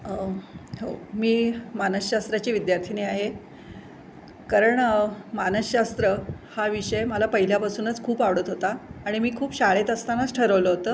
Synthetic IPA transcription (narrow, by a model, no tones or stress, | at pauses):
ɦomiːmanəɕːast̪ɾat͡ɕiːʋid̪jaɾt̪ʰineaɦe | kaɾəɳmanəɕast̪ɾəhaʋiʂəjeməlapəɦiljapasuːnət͡skʰuːpaʋɽət̪ɦot̪aːɽ̃imiːkʰuːpɕaɭet̪əst̪anat͡sʈʰəɾəʋləɦot̪əː